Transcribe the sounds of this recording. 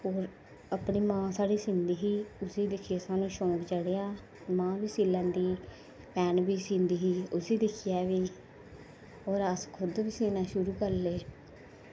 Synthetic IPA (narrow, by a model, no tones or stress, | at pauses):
ɦoːɾ | əpɳiːmãːsaːɽiːsɪ̃nd̪iːɦiːʊsiːd̪ɪkʰɪeːsaːnũːʃõːkt͡ʃəɽeːaː | mãːʋiːsiːlãːnd̪iː | pɛːnbiːsĩnd̪iːɦiːʊsiːd̪ɪkʰɪjɛːʋiː | ɦoːɾəskʰʊd̪bɪsiːnãːʃʊɾuːkəɾleː